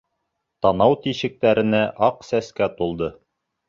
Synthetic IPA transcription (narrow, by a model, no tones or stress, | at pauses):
t̪ɑnɑwt̪iɕɘ̆k̚t̪æɾɘ̆næʔɑqsæskæt̪ulˠd̪ɤ